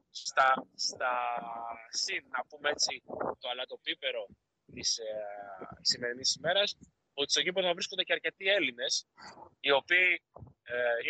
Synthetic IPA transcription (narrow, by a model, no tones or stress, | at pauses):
st̪ɐst̪ɐ | sinnɐpumeet͡sit̪o̞ɐlɐt̪o̞pipe̞ɾo̞ | t̪is | sːime̞ɾinisime̞ɾɐs | ot̪ist̪o̞ʝip̬ɾonɐvɾisko̞nd̪eceɐɾce̞t̪ie̞line̞sio̞piː